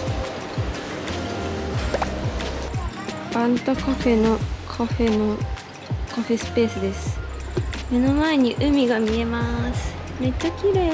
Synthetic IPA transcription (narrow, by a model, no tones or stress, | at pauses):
b̥ãnt̪okoɸe̞no̞kʰoɸe̞no | koɸe̞sɨ̥pe̞ːsɨd̪e̞sɨ̥ | me̞no̞mae̞ɲ̟iʔɯ̟mʲiɡamʲie̞masɨ̥me̞tt͡ɕːakʲiɾe